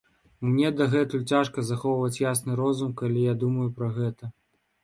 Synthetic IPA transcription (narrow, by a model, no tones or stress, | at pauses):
mnʲɛd̪ɐɣɛt̪ujut͡sʲaʂkɐzaxɔwvɐt͡sʲjasnɨɾɔzumkɐlʲijad̪umɐjupɾɐɣɛt̪ɐ